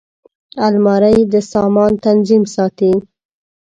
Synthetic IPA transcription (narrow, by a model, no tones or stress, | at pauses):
almɑɾəjd̪əsɑmɑnt̪anzimsɑt̪i